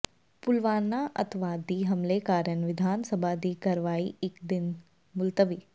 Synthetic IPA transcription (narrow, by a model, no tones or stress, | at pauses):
pʊlʋaːnːaʔɐ̰t̪ʰʋad̪iːɦɐmlekaːɾjənʋɪd̪ʱaːnsəbʱad̪iːkɐɾʋaːiɪkd̪ɪn | mʊlt̪əʋiː